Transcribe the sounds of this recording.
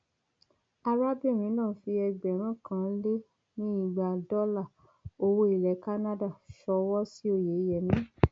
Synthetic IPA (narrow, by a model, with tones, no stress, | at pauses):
a˧ɾa˦bi˦˨ɾ̃ĩ˨˦nãː˦˨˦fi˧ɛ˧ɡ͡bɛ˨ɾ̃ã˦˨kã˧˦le˦ | nĩ˦i˦˨ɡ͡ba˨dɔ˦la˦˨ | o˧wo˧˦i˨lɛ˨˦ka˦na˦da˦˨ʃɔ˧wɔ˦si˦o˦˨je˨˦jɛ˨mĩ˨˦